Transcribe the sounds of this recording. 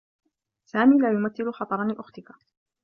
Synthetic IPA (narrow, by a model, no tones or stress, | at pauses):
saːmiːlaːjʊmaθːɪlʊxɑt̪ˤɑɾˤɑnɪʔʊxt̪ɪka